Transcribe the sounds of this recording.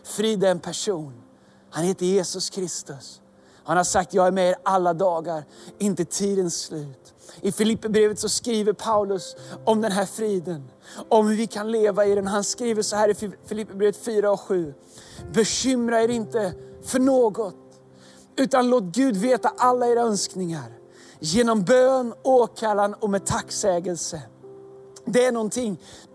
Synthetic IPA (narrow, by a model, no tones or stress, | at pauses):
fɾiːd̪aɛnpʰæʂuːn | hanheːt̪əjeːsɵskʰɾɪst̪ɵs | hanhasak̚t̪jɑːɡæɾmɛeːɾalːad̪ɑːɡaɾɪnt̪ət̪ʰiːd̪ənslʉ̟ːt̪ | ʔɪfɪlɪpːəbɾeːvət̪sɔskɾiːvəɾpʰaʉlɵsɔmd̪ɛnɦæɾfɾiːd̪ən | ɔmvɪkʰanleːvaɪd̪ɛnɦanskɾiːvəʂɔhæːɾɪfɪlɪpːəbɾeːvət̪fyːɾaɔkɧʉ̟ː | bɛɕʏmɾaeɾɪnt̪əfœɳoːɡɔt̪ | ʉ̟ːt̪anloːt̪̚ɡʉ̟ːd̪veːt̪aʔalːaeːɾaœnsknɪŋaɾ | jeːnɔmbøːnoːkʰalːanɔmɛd̚t̪ʰaksɛːɡəlsə | d̪ɛæɳɔnt̪ʰɪŋː